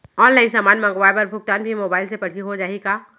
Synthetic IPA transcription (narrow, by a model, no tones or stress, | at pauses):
ɔːnlaːɪnsaːmaːnmãŋɡʋaːepɐɾbʱʊk̚t̪aːnbʱimoːbaːɪlsepɐɽ̤iɦod͡ʒaːikaː